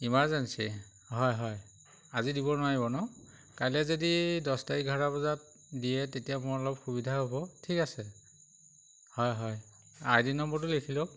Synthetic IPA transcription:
imaɹzɛnsi | ɦɔjɦɔj | azidibɔnʊwaɹibɔnɔ | kajlɛzodidɔstaiɡʱaɹabɔzat̚ | dijɛtetijamʊɹɔlɔb̚xʰubidʱaɦobɔtʰikasɛ | hɔjɦɔj | ajdinɔmbɔt̬ʊlekʰilok̚

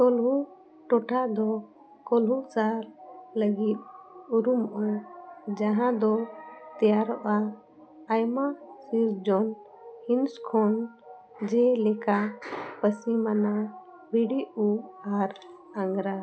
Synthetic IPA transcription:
t̪ɔlɦu | ʈɔʈʰad̪ɔ | kɔlɦut͡ʃaɾləɡit̪̚uɾumɔʔad͡ʒaɦãd̪ɔt̪ɛjaɾɓaː | jmasiɾd͡ʒɔn | hinskʰɔn | d͡ʒɛlɛkapəsimana | biɽiuhaɾ | aŋɡɾa

